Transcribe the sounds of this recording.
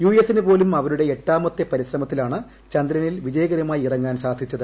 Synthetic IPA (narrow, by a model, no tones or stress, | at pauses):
juːesinɨpo̞ːlumɐʋɐɾuɽe̞eʈːaːmot̪jɐpɐɾiɕrɐmɐt̪ːilaːɳɨ | t͡ɕɐnd̪ɾɐnilʋid͡ʑɐjɐɣɐɾjɐmaːjiirɐŋːaːnsaːd̪ʱit͡ɕːɐðɨ